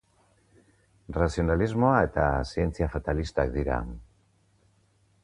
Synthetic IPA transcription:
rasio̞nalizmoae̞t̪asie̞nt͡siafat̪alist̪ak̚d̪iɾa̰

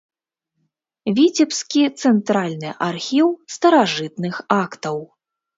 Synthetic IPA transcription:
vʲit͡sʲɛpskʲit̪sɛnt̪ɾalʲnɨʔarxʲiwst̪ɐɾaʐɨt̪nɨxakt̪ɐw

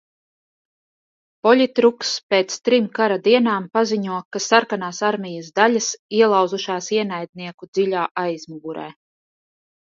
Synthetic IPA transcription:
pɔlʲit̪ɾukspeːt̪st̪ɾimkaɾad̪iɛnaːmpaziɲuɔkasaɾkanaːsaɾmʲijasd̪alʲasiɛlˠawzuʃaːsiɛnajd̪̚niɛkud̪z̥iʎʲaːʔajzmuɡuɾɛ̰ː

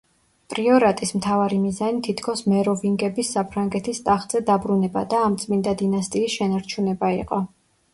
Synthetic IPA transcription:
pʼɾiɔɾat̪ʼismt̪ʰavaɾimizanit̪ʰit̪ʰkʰɔsmɛɾɔviŋɡɛbisːapʰɾaŋɡɛt̪ʰist̪ʼaχz̥ɛd̪abɾunɛba̰d̪aːmt̪sʼmind̪ad̪inast̪ʼiːsʃɛnaɾt͡ʃʰunɛbaiqʼɔ

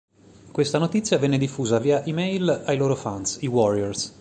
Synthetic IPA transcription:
kwest̪anot̪it̪sːjavɛnːed̪ifːuːzaviːaʔimejlajloːɾofansiwɔɾiɛɾs

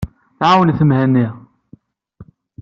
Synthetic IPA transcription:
ʕawənθəmhænːi

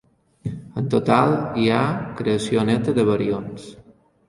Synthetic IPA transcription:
ənt̪ot̪alˠiakɾeəsionɛt̪əðəβəɾions

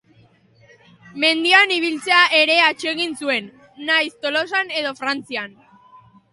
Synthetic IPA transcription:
me̞nd̪ianiβ̞ilt͡se̞aʔe̞ɾe̞at͡ʃe̞ɣinsue̞nː | ajst̪o̞lo̞s̬ane̞ðo̞fɾant͡sian

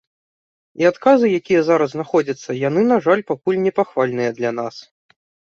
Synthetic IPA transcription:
iat̪kazɨjakʲijɐzaɾɐzznaxɔd͡zʲɐt̪sːɐjanɨnaʐalʲpakulʲnʲɛpaxvalʲnɨjɐd̪lʲanas

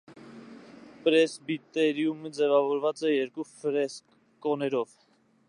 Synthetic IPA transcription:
pɾɛsbit̪ɛɾjuməd͡zɛvɑvɔɾvɑt͡sɛjɛɾkufɾɛsk | kɔnɛɾɔv

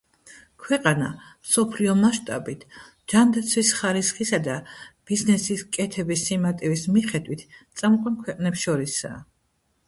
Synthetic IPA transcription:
kʰwɛqʼanamsɔpʰliɔmaʃt̪ʼabit̪ʰ | d͡ʒand̪at̪sʰwisχaɾisχisad̪ab̥iznɛsiskʼɛt̪ʰɛbisːimat̪ʼivismiχɛd̪wit̪ʰtt̪sʼamqʼwankʰwɛqʼnɛpsʃɔɾisa̰ː

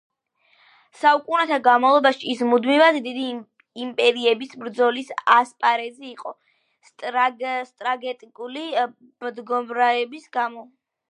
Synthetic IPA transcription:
saukʼunɛt̪ʰaɡanmavlˠɔbaʃiːsmud̪mivad̪d̪id̪i | impʼɛɾiɛbisbɾd̪zɔlisaspʼaɾɛziːqʼɔ | st̪ʼɾaɡɛt̪ʼikʼuli | md̪ɡɔmɾaɛbisɡamɔ

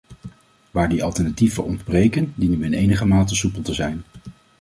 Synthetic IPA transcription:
ʋaːɹdiɑlˠtɛɹnativə̰ɹɔndbrejkəndinyʋɪnejnəχəmaːtəsupəl̩ˠtəzɛjn

